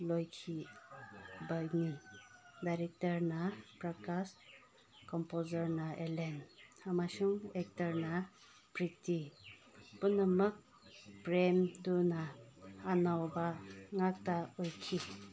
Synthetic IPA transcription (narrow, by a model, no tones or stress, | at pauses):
lojkʰi | baɡnidajɾek̚taɾnapɾakas | kɔmpozaɾnaʔelenamasuŋek̚taɾna | pɾiti | punamuk̚ | pɾemdunaː | nawbaŋak̚taujkʰi